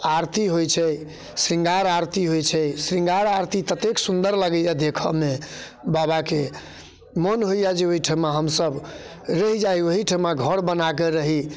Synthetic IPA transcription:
aɾt̪iɦojt͡ʃʰɛ | sɾĩŋɡaɾaɾt̪iɦojt͡ʃʰɛsɾĩŋɡaɾaɾt̪it̪ət̪eksund̪əɾləɡəjad̪ekʰəme | babake | mənɦojjad͡ʒeoɦiʈʰəmaɦəmsəb | ɾəɦid͡ʒajoɦiʈʰəmaɡʱəɾbənakeɾəɦi

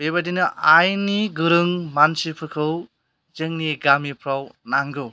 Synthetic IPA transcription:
bebadinɯʔajniɡɯɾɯŋmansipʰɯɾkʰɯw | zɯŋniɡamipʰɾawnaŋɡɯ

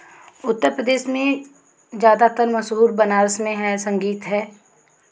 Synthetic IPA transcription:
ʊt̪ːəɾpɾəd̪eːʃmẽ | zjaːd̪at̪əɾmɐʃɦuːɾbɐnaːɾsmẽɦɛsɐ̃ŋɡiːt̪ɦɛː

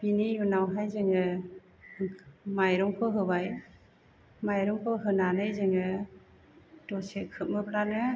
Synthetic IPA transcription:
binijunawɦajzɯŋɯ | majɾɔŋkʰɯɦɯbaj | majɾɔŋkʰɯɦɯnanɯjzɯŋɯ | dɔsekʰɯp̚mɯplanɯ

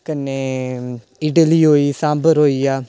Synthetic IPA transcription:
kənːeː | ɪɖəliːɦoːiːsãːmbəɾɦoːiːaː

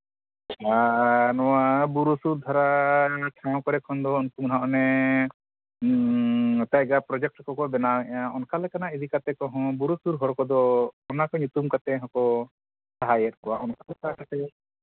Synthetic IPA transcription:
anɔwabuɾusuɾd̪ʱɔɾaʈʰãw̃kɔɾɛkʰɔnd̪ɔunkumnaʔɔnɛ | t̪aɡapɾɔd͡ʒɛk̚ʈkɔkɔbɛnawɛɛjãʔɔnkalɛkanaid̪ikat̪ɛkɔɦɔ̃buɾusuɾɦɔɾkɔd̪ɔɔnakɔɲut̪umkat̪ɛɦɔ̃kɔ | saɦajɛt̪̚kɔwaʔɔnkalɛkaakat̪ɛ

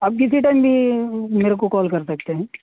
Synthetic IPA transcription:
ɐːb̚kɪsiʈɐ̃ɪmbʱimeːɾekokɔːlkɐɾsɐk̚t̪eɦɛ̃ː

